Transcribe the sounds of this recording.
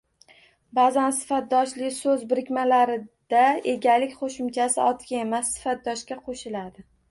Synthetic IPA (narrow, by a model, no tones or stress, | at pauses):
bazansɪ̥fat̪̚d̪ɒʃlɪkʲsɵzbɪɾɪkʲmalaɾɪd̪̥ae̞ɡʲalɪkʲqʰoʃɪmt͡ʃʰasɪɒt̪kʲae̞masːɪ̥fat̪̚d̪ɒʃkʲaqʰoʃɪlad̪ɪ